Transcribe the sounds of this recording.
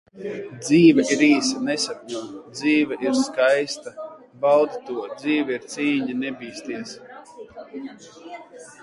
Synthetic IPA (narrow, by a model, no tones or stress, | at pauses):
d̪ziːvɛʔiɾiːsanɛsapɲuːd̪ziːvaʔiɾskajst̪a | bawd̪t̪uɔd̪ziːvɛiɾt̪siːɲanɛbiːst̪iɛs